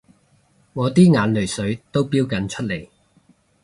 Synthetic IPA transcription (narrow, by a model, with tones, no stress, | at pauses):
ŋɔː˨˧t̪iː˥ŋaː˨˥nlɵ˨˩jsɵ˨˥ɥt̪o˥wpiː˥wkɐ˨˥nt͡ʃʰɵ˥t̚le˨˩j